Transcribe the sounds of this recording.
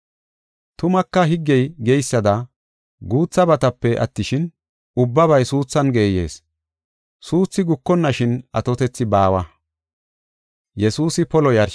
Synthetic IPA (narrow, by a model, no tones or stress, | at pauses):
t̪ʊmɐkːɐɦɪɡːɛjɡɛjsːɐd̪ɐ | ɡuːt͡sːɐbɐt̪ɐpːɛʔɐ̰t̪ːɪʃɪn | ʊbːɐβɐjsuːt͡sːɐnɡe̞ːje̞̰ːs | suːt͡sːɪɡʊkːɔnːɐʃɪnɐt̪ɔt̪ɛt͡sːɪbaːwɐ | jɛsuːsɪpɔlɔjɐɾ